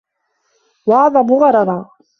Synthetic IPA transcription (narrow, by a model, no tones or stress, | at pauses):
wɑʕðˤɑmʊɣɑɾˤɑd̪ˤɑ